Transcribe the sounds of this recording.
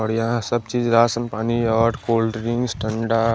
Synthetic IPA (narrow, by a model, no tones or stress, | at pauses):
ɔɽjɐɦãsɐb̚t͡ʃiːd͡ʒɾaːsənpaːniɔːɾkoːlɖɾɪ̃ŋɡsʈʰɐ̃ɳɖaː